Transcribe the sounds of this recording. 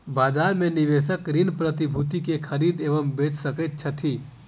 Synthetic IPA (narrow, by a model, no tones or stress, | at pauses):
baːd͡ʒaːɾmẽniʋesəkɾinpɾət̪ibʱut̪ikekʰəɾiːd̪eːʋəmbet͡ʃsəkət̪̚t͡ʃʰət̪ʰi